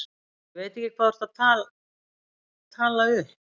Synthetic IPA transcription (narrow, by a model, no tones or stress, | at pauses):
veːt̪ɛcɪkʰvaːðʏɾ̥t̪at̪ʰaːl | t̪ʰaːlːaɣʏ